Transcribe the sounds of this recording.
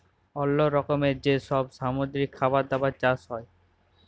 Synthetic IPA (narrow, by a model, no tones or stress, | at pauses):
ɔlːoɾɔkomeɾd͡ʑeʃɔbʃamod̪ɾikʰːabaɾd̪abat͡ɕasɦɔe